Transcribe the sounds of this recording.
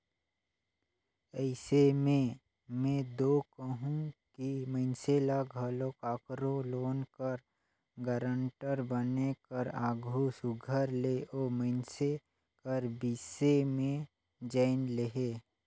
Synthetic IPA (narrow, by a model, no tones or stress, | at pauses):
ɛɪsemẽ | mẽd̪oːkəɦũkiməɪnselaɡʱəlokaːkɾõloːnkəɾ | ɡəɾə̃ɳʈəɾbənekəɾaːɡʱusʊɡʱəɾleʔoːməɪnse | kəɾbiːsemẽ | d͡ʒaɪnleɦeː